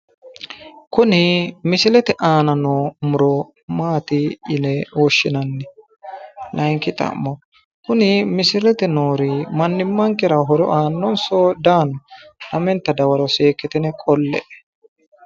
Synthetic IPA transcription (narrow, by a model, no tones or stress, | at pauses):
kʊnɪmɪsɪlɛt̪ɛʔaːnɐnoːmʊɾɔ | maːt̪ɪɪlɛwɔʃːɪnɐnːɛ | lɐjŋkːɪt̪ʼɐ̰mːɔ | kʊnɪmɪsɪlɛt̪ɛnoːɾɪmɐnːɪmːɐŋkɪɾɐɦɔɾɔ̰ʔaːnːɔnsoːd̪aːnɔnɐmɛnt̪ːɐd̪ɐwɐɾɔseːkːɪt̪ɛnɛkʼɔlːɛ̰ʔɛ̥